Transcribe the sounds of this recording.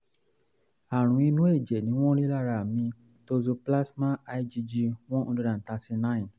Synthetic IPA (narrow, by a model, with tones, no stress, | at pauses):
a˨ɾ̃ũ˨˦i˧nũ˦e˦˨d͡ʒɛ˨nĩ˨˦w̃ɔ̃˦ɾi˦la˦˨ɾa˨mĩ˧ | to˧zo˧pla˦smã˦a˧i˦d͡ʒi˧d͡ʒi˧w̃ɔ̃˦nɔ̃˧do˧dã˨ta˧ti˧nã˦ĩ˨n